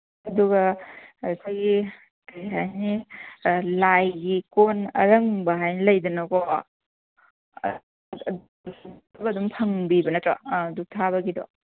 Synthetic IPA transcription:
ɐduɡɐ | kʰajɡi | kajɦajni | lajɡikonɐ̰ɾɐŋbɐɦajnilɐjdɐnɐkɔ | sbɐːdumpʰɐŋbibɐnɐtɾaduk̚tʰaβɐɡidɔ̰

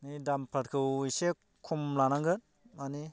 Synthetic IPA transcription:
nidampʰaɾkʰɯwise | kʰumlanaŋɡɯt | mani

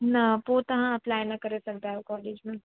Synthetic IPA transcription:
nɐpoːt̪ɐɦãɐplaːjnɐkɐɾesɐɡd̪alkɔːleːd͡ʒmẽ

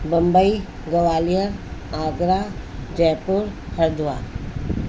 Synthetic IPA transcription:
bɐ̃mbəi | ɡɐʋaːlijəɾaːɡɾad͡ʒɛːpʊɾ | hɐɾd̪ʋa̰ː

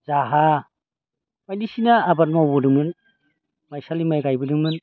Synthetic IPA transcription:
zaɦa | majdisinaːbaɾ̚mawbɯdɯŋmɯn | majsalimajɡajbɯdɯŋmɯn

